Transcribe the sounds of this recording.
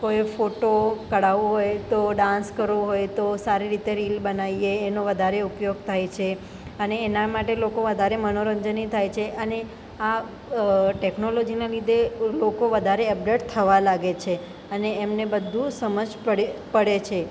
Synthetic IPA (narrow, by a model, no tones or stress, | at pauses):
kojefoʈokəɽaʋoɦojt̪oɖãnskəɾoɦojt̪osaɾiɾit̪eɾilbənaieːnoʋəd̪ʱaɾeupjoɡ̚t̪ʰajt͡ʃʰe | əneːnamaʈelokoʋəd̪ʱaɾemənoɾəɲd͡ʒənit̪ʰajt͡ʃʰeʔəne | a | ʈeknolod͡ʒinelid̪ʱelokoʋəd̪ʱaɾeəp̚ɖeʈ̚t̪ʰəʋalaɡet͡ʃʰe | əneemnebəd̪ʱːusəməd͡ʒpəpəɽet͡ʃʰe